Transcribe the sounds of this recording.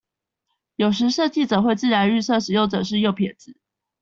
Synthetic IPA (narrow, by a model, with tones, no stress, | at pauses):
jo˨˩ʊʂɻ̩˧˥ʂɤ˥˧t͡ɕi˥˩t͡sɤ˨˩xwe˥˧ɪt͡sɹ̩˥˩ɻa˧˥ny˥˧sɤ˥˩ʂɻ̩˨˩jo˥˩ʊʈ͡ʂɤ˨˩ʂ̬ɻ̩˥˧jo˥˩ʊpʰjɛ˨˩t͡sɹ̩˨˩˦